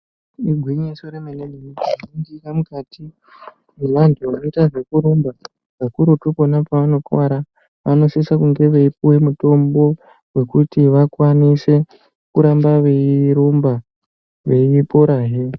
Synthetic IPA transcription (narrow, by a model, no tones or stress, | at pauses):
iɡʱwiɲiso̞ɾemeneniiknindikamukati | emantuʋano̞itaʐe̞kuɾomba | ʋakuɾotuko̞napaʋano̞kwaɾa | ʋano̞sisakuŋɡe̞ʋeip̚uwe̞muto̞mbo̞ | we̞kutiʋakwanise̞ | kuɾambaʋeiiɾomba | ʋe̞ipo̞ɾaːɦe